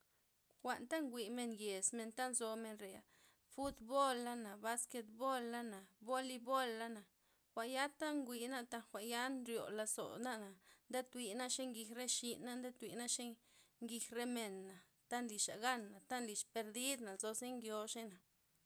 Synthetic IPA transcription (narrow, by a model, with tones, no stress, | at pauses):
xʷa˨nt̪a˦ŋɡʷi˨me˧nje˨sme˧nt̪a˦nzo˧me˧nɾe˨a̰˨ | fu˦d̪bo˦lːa˦na˨ba˧ske˧t̪̚bo˦lːa˦na˨bo˦li˧bo˦lːa˦na˨ | xʷa˨ʔja˦t̪a˦ŋɡʷi˧˨na˦t̪a˦nxʷa˨ʔja˦nɾjo̰˨la˧so̰˨na˦ʔna˨nd̪e˦t̪wi˨na˦ʃe˦ŋɡi˧xɾe˦ʃi˧na˦nd̪e˦t̪wi˨na˦ʃe˦ | ŋɡi˧xɾe˦me˨nːa˨ | t̪a˦nli˨ʃa̰˨ɡa˦nːa˨t̪a˦nli˨ʃpe˧ɾd̪i˦d̪na˨zo˧ze˦ŋɡjo˧ʃe˦na˨